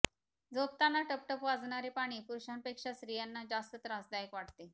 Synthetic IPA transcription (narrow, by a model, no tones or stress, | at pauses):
d͡zop̚t̪anːaʈəp̚ʈəpʋad͡zɳaɾepaɽ̃iːpuɾuɕanpekʂasɾijanːad͡ʑast̪ət̪ɾasd̪ajəkʋaʈt̪e